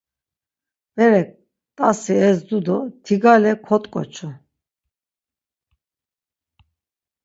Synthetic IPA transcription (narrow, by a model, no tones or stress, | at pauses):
vɛɾɛ | t̪ʼasiɛzd̪ud̪ɔt̪ʰiɡalɛkʰɔt̪ʼkʼɔ̰t͡ʃʰu